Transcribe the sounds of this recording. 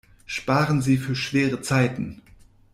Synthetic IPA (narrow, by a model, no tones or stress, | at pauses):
ʃpaːʁənziːfyːɐʃv̥eːʁət͡saɪtn̩